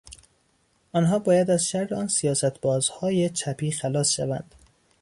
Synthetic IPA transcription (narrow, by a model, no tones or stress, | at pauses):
ʔɒːnɦɒːbɒːjæd̪æzʃæɾːeɒːnsijɒːsæt̪ʰbɒːzhɒːjet͡ʃʰæpʰiːxælɒːsʃævæ̰nd̪̥